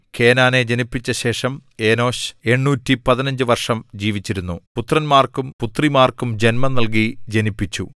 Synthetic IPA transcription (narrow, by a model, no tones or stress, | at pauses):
kʰe̞ːnaːne̞d͡ʑenipːit͡ɕːɐɕe̞ːʂɐme̞ːno̞ːɕe̞ɳːuːtːipɐðinɐɲd͡ʑɨʋɐrʂɐmd͡ʑiːʋit͡ɕːiɾunːuput̪rɐnmaːrkumput̪rimaːrkumd͡ʑe̞nmɐnɐlk̬id͡ʑenipːit͡ɕːṵ